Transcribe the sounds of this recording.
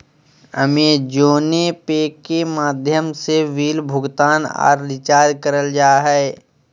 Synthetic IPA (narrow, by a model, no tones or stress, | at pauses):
ə̰med͡ʒoːnepeːkːemaːd̪ʱjəmseʋiːlbʱʊɡt̪aːnɔ̰ːɾːɪt͡ʃaːd̪kəɾəld͡ʒaːɦɛː